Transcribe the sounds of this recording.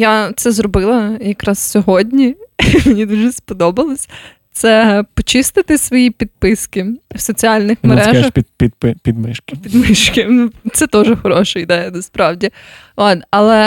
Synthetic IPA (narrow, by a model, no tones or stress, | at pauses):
jat̪sɛzɾɔbɪlˠɐjɐkɾɑssʲɔɦɔdʲnʲimenʲid̪uʒɛspɔd̪ɔbɐlˠɔsʲ | t̪sɛpɔt͡ʃɪst̪ɪt̪ɪsʋɔjipʲid̪̚pɪskɪwsɔt͡sʲiɑlʲnɪxmeɾɛɐxʲpʲipɪpʲid̪mɪʃkɪpʲid̪mɪʃkɪnut̪sɛt̪ɔʒɛxɔɾɔʃɐid̪ɛjɐd̪ɐspɾɑwdʲi | ot̪ɐlˠɛ